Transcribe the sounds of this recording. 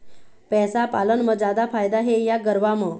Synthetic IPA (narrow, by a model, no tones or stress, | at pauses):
pɛsapalənməd͡zad̪afajd̪aɦejaɡəɾʋamə